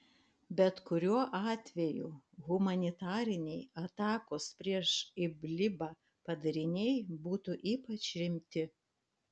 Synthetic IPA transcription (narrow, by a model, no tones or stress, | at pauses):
bʲɛt̪kʊɾʲuɔʔɑːt̪ʲʋʲɛjṵːɣʊmɐnʲɪt̪ɑːɾʲɪnʲɛɪɐt̪ɑːkoːspʲɾʲiɛʃɪbʲlʲɪbɑː | pɐd̪ɐɾʲɪnʲɛɪbuːt̪ʊʔiːpɐt͡ʃʲɾʲɪmʲt̪ʲɪ